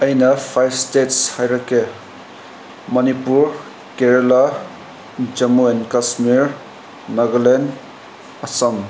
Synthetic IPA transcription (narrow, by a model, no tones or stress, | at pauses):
ʌjnʌpʰajɾstetshajɾʌke | mʌnipuɾ | keɾela | d͡ʒʌmuenkasmiɾ | nɐɡlen | ɐsʌm